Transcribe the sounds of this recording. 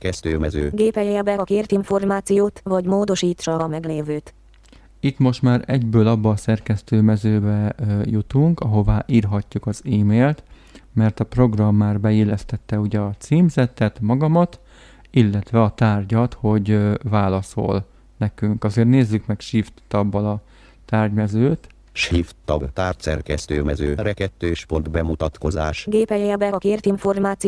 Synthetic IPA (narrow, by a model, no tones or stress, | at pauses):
kɛst̪ø̰ːɛzø̰ːɡeːpɛjɛbɛɒkeːrt̪iɱfo̞rmaːt̪sijoːt̪vɒɟmoːd̪o̞ʃiːt̪ʃɒmɛɡleːvøːt̪ | it̪mo̞ʃt̪maːɾɛɟbøːlɒbːɒːsɛrkɛst̪øːmɛzøːbɛjut̪uŋkɒɦo̞vaːʔiːrɦɒcːukɒziːmeːlt̪ | mɛrt̪ɒpro̞ɡrɒmːaːrbɛeːlɛst̪ɛt̪ːɛuɟɛɒt̪siːmzɛt̪ːɛt̪mɒɡɒmɒt̪ | ilːɛt̪ʋɛɒt̪aːrɟɒt̪ho̞ɟvaːlɒso̞̰l | nɛkyŋkɒzeːrt̪neːzːykmɛkʃiːft̪ːɒbːɒlɒ | t̪aːrɟmɛzøːt̪ | ʃift̪ːɒbt̪aːrt̪sɛ̰rkɛst̪øːmɛzøːɾɛkɛt̪ːøːʃpo̞nt̪bɛmut̪ɒt̪ko̞zaːʃɡeːpɛjɛbɛɒkeːrt̪iɱfo̞rmaːt̪si